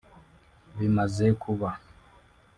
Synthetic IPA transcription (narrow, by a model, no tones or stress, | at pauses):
βimazekʰuβa